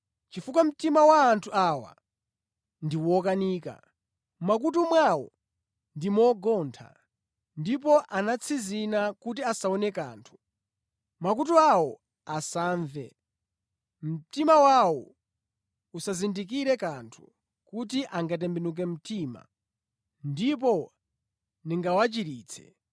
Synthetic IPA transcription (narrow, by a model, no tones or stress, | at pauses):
t͡ʃifukwam̩timawaːntʰuaːwa̰ | ndiwɔk̬aniːka̰ | mak̬ut̬umwawɔ̰ | ndimɔɡɔːntʰa̰ | ndip̬ɔʔanat͡sʰizinakut̬iasaɔnɛka̰ːntʰu̥ | mak̬utuawɔ | asaːɱvɛ | m̩timawawɔ | usazindik̬iɾɛkantʰu̥ | kut̬iʔaŋɡat̬ɛmbɛnuk̬ɛm̩tima̰ | ndip̬ɔ | niŋɡawat͡ʃiɾiːt͡sʰɛ̥̰